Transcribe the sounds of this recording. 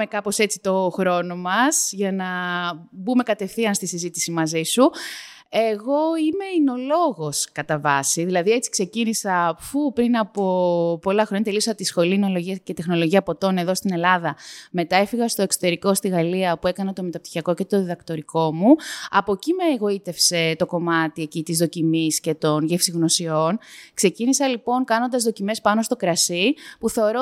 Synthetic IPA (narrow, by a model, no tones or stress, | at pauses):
ekɐpo̞se̞t͡si̥t̪o̞xɾo̞no̞mɐsʝɐnɐbume̞kɐt̪e̞fθiɐnst̪isizit̪i̥simɐzisu | eɣo̞ime̞ino̞lo̞ɣo̞skɐt̪ɐvɐsiðilɐðie̞t͡si̥kse̞cinisɐfupɾinɐpo̞po̞lɐxɾoɲɐt̪eliosɐt̪isxo̞lino̞lo̞ʝiɐce̞t̪e̞xno̞lo̞ʝiɐpo̞t̪o̞ne̞ðo̞st̪ine̞lɐðɐme̞t̪ɐe̞fiɣɐst̪o̞e̞kso̞t̪e̞ɾiko̞st̪iɣɐliɐpue̞kɐnɐt̪o̞met̪ɐpt̪i̥çiɐko̞ce̞t̪o̞ðiðɐkt̪o̞ɾiko̞muɐpo̞cimeːɣo̞it̪e̞fse̞t̪o̞ko̞mɐt̪iecit̪izðo̞cimisce̞t̪o̞nʝefsiɣno̞sio̞nkse̞cinisɐlipo̞nkɐno̞nd̪ɐzðocime̞spɐno̞st̪o̞kɾɐsipuθe̞o̞ɾo